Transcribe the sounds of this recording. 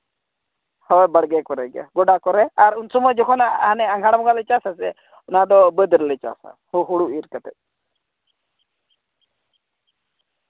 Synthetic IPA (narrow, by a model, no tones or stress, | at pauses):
hɔjbəɽɡɛkɔɾɛɡa̰ɡɔɖakɔɾɛaɾunsɔmɔd͡ʒɔkʰɔnaanɛaŋɡʱaɽmɔɡalət͡ʃasasɛ | nad̪ɔbəd̪ɾlət͡ʃa̰sa̰huɦuɽuiɾkat̪ɛt̪̚